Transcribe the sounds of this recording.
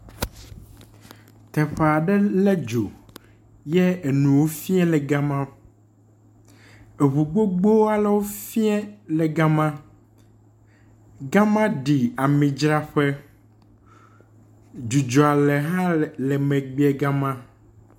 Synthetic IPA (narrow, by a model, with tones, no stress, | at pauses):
t̪ɛ˨ɸɛ˨a˨ɖɛ˦lɛ˦d͡ʒo˨ | jɛ˦e˨nũ˨wo˦fi˦ɛ̃˦lɛ˨ɡa˦mã˦ | e˨βu˨ɡ͡bo˦ɡ͡bo˦a˦˨lɛ˨wo˦fi˦ɛ˦lɛ˨ɡa˦mã˦ | ɡa˦mã˦ɖi˨a˨mĩ˨d͡ʒɾa˦ɸɛ˦ | d͡ʒu˨d͡ʒɔ˨a˨lɛ˨ɦã˦lɛ˨mɛ̃˨ɡ͡bi˦ɛ˨ɡa˦mã˦